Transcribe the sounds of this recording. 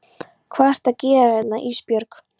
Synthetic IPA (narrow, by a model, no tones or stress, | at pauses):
kʰvar̥t̪aðcɛːɾaɛt̪naʔispjœɾk